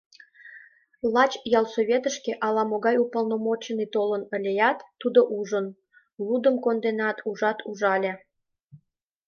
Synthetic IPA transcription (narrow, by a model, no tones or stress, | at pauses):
lɑt͡ɕjɑlsoβʲet̪əʃkeʔɑlɑmoɣɑjupəlnomot͡ɕənit̪olənə̆lʲejɑt̪ːud̪oʔuʒən | lud̪əmkond̪enɑt̪ʰuʒɑt̪ʰuʒɑlʲe